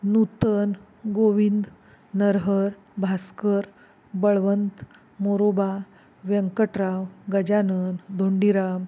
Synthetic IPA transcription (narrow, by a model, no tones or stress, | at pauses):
nut̪ən | ɡoʋind̪ | nəɾɦəɾ | bʱaskəɾ | bəɭʋənt̪ | moɾoba | ʋjəŋkəʈɾaʋɡəd͡ʑanənd̪ʱoɳɖiɾam